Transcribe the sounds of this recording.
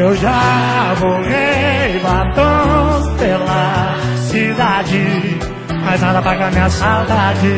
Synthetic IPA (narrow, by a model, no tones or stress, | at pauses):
ewʒamoʁebat̪ɐ̃spelɐ | sid̪ad͡ʒɪ | majznad̪ɐpɾaɡamĩɲɐsawd̪ad͡ʒɪ